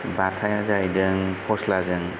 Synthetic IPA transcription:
batʰajazajdɯŋpʰɔslazɯŋ

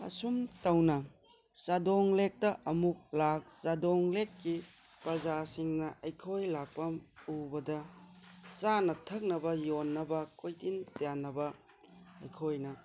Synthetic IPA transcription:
ɐ̰sumtɐwnɐ | sadoŋlek̚tɐʔɐmuk̚lak̚sadoŋlekkːi | pɾɐzasiŋnɐʔɐjkʰojlak̚pɐmubɐdɐ | sanɐtʰɐk̚nɐbɐjonːɐbɐkojtintanːɐbɐ | ɐ̰jkʰojnɐ

